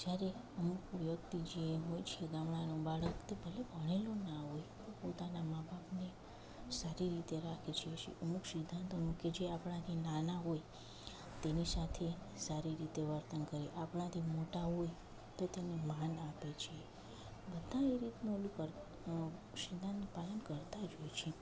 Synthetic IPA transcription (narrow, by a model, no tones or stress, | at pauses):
d͡ʒjaɾe | əmukʋjəkt̪id͡ʒeɦojt͡ʃʰeɡamɳ̃anobaɭəkt̪ebʱəlebʱəɽ̃elonaɦojt̪opot̪anamabʱapne | saɾiɾit̪eɾakʰet͡ʃʰiet͡ʃʰḛʔəmuksɪd̪ʱːãnt̪ʰonũked͡ʒeapɳ̃at̪ʰinanaɦoj | t̪enisat̪ʰe | saɾiɾit̪eʋəɾt̪ənkəɾiʔapɽãt̪ʰimoʈaɦoj | t̪ot̪enemanapet͡ʃʰie | bəd̪ʱãeɾit̪nulukəɾ | sɪd̪ʱːãnt̪palənkəɾt̪ad͡ʒojt͡ʃʰe